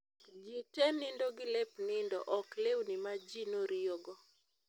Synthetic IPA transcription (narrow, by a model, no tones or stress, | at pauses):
d͡ʒitɛnɪndoɡɪlɛpnɪndɔ̰ʔɔklewnɪmad͡ʒinoɾɪoɡɔ